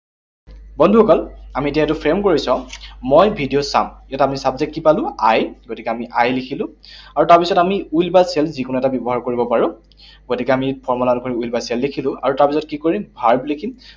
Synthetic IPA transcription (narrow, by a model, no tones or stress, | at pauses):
bɔndʱuhɔkɔlamitiɛɛtʊpʰɹemkoɹisɔ̃mojbʱidijosa̰mjatamisabzek̚tipalʊ̃ajɡotikɛamiʔajlikʰilʊ̃aɹutaɹpisɔtamiujlbaselzikʊnuɛtabjɔbɔɦaɹkoɹibɔpaɹʊ̃ | ɡotikɛamipʰɔɹmɔlankoɹiujlbaselːekʰilʊ̃a̰ɹutaɹpisɔt̚kikoɹimbʱaɹblikʰim